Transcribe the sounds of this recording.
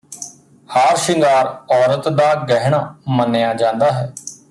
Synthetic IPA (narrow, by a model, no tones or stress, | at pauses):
haːɾʃɪŋɡaːɾɔːɾət̪d̪aːɡɛɦɳ̃aːmənːejaːd͡ʒãːnd̪aːɦɛː